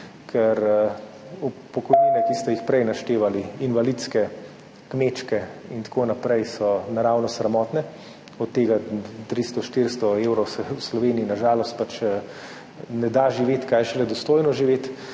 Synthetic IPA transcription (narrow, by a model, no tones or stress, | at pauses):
kʰɛɾ | upːɔkɔjninɛkist̪ɛjixpɾɛjnaʃt̪eːʋaliinʋalit̪skɛ | kmet͡ʃkɛint̪koːnapɾɛjsɔnaɾawnɔsɾɛmɔːt̪nɛ | ɔt̪ːeːɡat̪ɾist̪ɔʃt̪iɾst̪ɔewɾɔsɛwslɔʋeːniːnaʒaːlɔst̪̚pat͡ʃ | nɛd̪aʒiʋeːt̪kajʃɛlɛd̪ɔst̪oːjnɔʒiʋeːt̪